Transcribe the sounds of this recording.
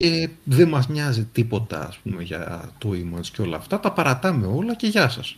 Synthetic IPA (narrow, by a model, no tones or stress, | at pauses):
eðemɐzmɲɐzit̪ipo̞t̪ɐ̰ːspume̞ʝɐ̰t̪oimɐnsceo̞lɐ̰ːft̪ɐt̪ɐpɐɾɐt̪ɐme̞o̞lɐce̞ʝɐsɐs